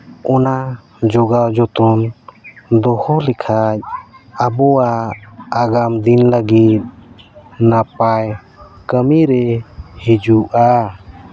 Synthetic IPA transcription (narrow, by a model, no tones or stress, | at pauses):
ʔɔna | d͡ʒɔɡawd͡ʒɔt̪ɔn | d̪ɔhɔlɛkʰac̚abɔwaː | ɡamd̪inləɡit̪̚ | napaj | kəmiɾɛhid͡ʒuʔa